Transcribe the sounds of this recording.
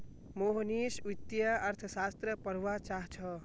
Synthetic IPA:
moɦnisut̪jəɐɾt̪ʰəsast̪ɾəpəɾʋat͡ʃaɦt͡ʃʰə

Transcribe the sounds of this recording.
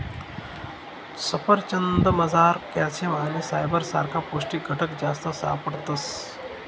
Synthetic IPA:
sɐpəɾt͡ʃɐnd̪əmɐzaːɾkjaːsjɐmaːnisaːjbəɾsa̰ːɾkʰapoːsʈiɡʱɐʈəkd͡ʒaːst̪əsaːpəɽt̪ɐs

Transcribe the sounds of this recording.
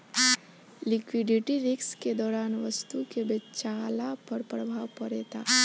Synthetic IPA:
lɪkwɪɖɪʈiɾɪksked̪ɔːɾaːnʋəst̪ukebet͡ʃaːlapɐɾpɾəbʱaːʋpɐɾeːt̪aː

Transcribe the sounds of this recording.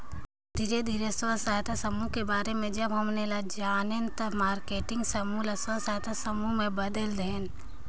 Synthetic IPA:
d̪ʱiːɾed̪ʱiːɾeswəsaːjt̪ʰasəmukebaːɾemẽd͡ʒɐbɦɐmnelad͡ʒaːnent̪ɐmaːɾkeːʈɪ̃ŋɡsɐmuːlɐswasaːt̪ʰasɐmumẽbɐd̪əld̪eːn

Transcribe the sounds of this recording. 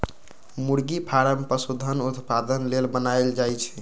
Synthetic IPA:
muɽɡipʰaɾəmpəsud̪ʱənut̪pad̪ənlelbənaeld͡ʒajt͡ʃʰɛ̥

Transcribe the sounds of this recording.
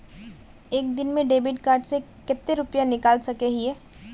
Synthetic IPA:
eːk̚d̪ɪnmẽɖeːbɪʈkaːɾɖse | kɪt̪ːeɾʊpjãnɪkaːlsɐkeɦiɛː

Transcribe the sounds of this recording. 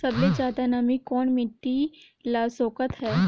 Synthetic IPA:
sɐbled͡ʒaːd̪anamikɔːnmɪʈːi | laːsoːkət̪ɦɛː

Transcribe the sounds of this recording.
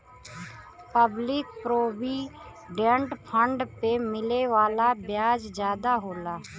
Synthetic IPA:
pəblɪk̚pɾoːbi | ɖẽɳɖpʰə̃ɳɖpemɪleʋaːlabjaːd͡ʒd͡ʒjaːd̪aɦoːlaː

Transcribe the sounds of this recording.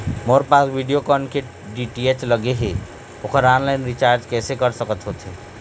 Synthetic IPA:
moɾpasʋiɖijokənkeʈ | ɖiʈiet͡ʃləɡeɦe | okʰəɾaːnlaɪnɾit͡ʃaːɾd͡ʒkɛːsekəɾsəkət̪ɦot̪ɦe

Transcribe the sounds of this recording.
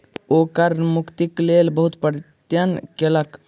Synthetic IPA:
okəɾmukt̪iklelbəɦut̪pəɾt̪jənkelək

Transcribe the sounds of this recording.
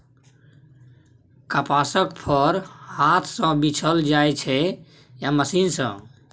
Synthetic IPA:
kapasəkpʰəɾhat̪ʰsə̃bit͡ʃʰəld͡ʒajt͡ʃʰɛ | jaməsinsə̰̃

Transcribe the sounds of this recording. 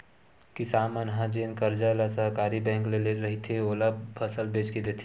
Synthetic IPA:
kɪsaːmənɦãd͡ʒeːnkəɾd͡ʒalasəɦkaːɾibɛ̃ːŋkleleɾɐɦit̪ʰeoːlapʰəsəlbeːt͡ʃked̪eːt̪ʰi

